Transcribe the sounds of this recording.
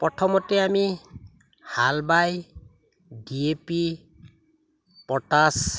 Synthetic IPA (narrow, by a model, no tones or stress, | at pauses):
pɔʈʰɔmɔteami | halbaj | ɖiepi | pɔʈas